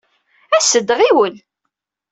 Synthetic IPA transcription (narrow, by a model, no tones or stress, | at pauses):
æsəd̪ʁiwən